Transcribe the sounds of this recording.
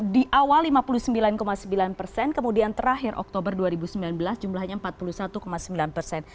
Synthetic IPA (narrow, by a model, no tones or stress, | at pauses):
diʔawalːimapulusəmbilankomasəmbilanpərsɛnkəmudiant̪əɾaɦɪɾʔɔ̰k̚t̪obərduaɾibusəmbilanbəlasd͡ʒumlahɲampat̪̚pulusat̪ukomasəmbilanpərsɛn